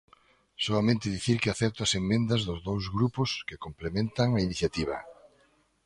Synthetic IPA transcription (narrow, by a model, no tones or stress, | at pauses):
soamẽnt̪ɪðiθiɾkɪaθɛt̪ʊɐsemːẽnd̪ɐzðʊzðowzɣɾupʊskɪkomplemẽnt̪ɐŋɐiniθjat̪iβ̞ɐ̰